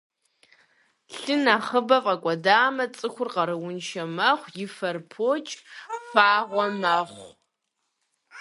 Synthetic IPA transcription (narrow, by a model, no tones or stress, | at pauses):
ɬɨnaːχəbɐfʼɐkʷʼɔdaːmɐt͡sʼɨxʷʊrqɐɾɨwʊnʃɐmɐχʷjɪfɐrpʰoːt͡ʃʼfaːʁʷɔmɐχʷ